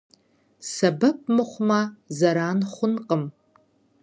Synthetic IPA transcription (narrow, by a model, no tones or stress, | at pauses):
sɐbɐp̚ʰmɨχʷmɐzɐɾaːnχʷʊnqʼəm